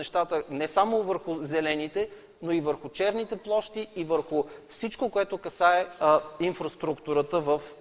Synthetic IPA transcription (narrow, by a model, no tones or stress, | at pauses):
ɛʃt̪at̪ənɛsamovəɾxʊzɛlɛnit̪ɛ | noivəɾxʊt͡ʃɛɾnit̪ɛplˠɔʃt̪iivəɾxʊfsit͡ʃkokoɛt̪okɐsaɛinfɾɐst̪ɾukt̪uɾət̪əvəf